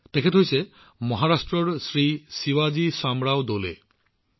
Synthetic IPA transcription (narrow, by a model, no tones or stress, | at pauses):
t̪ekʰet̪ɦojse | mɔɦaɾasʈɾɔɾsɾisiwad͡ʒisamɾaod̪olḛ